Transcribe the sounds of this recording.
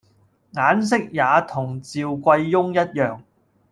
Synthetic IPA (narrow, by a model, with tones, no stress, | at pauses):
ŋaː˨˥ns̬ɪ˥k̚jaː˨˧t̪ʰʊ˨˩ŋt͡siː˨˧wkʷɐ˧jːʊ˥ŋjɐ˥t̚jœː˨ŋ